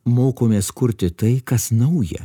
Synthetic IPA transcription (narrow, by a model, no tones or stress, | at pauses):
moːkoːmʲeːskʊɾʲt̪ʲɪt̪ɐɪkɐsnɐʊjɛ̰